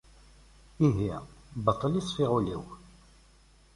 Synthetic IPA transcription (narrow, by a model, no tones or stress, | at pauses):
iɦibɑt̪ˤːəljisˤfiʁulḭw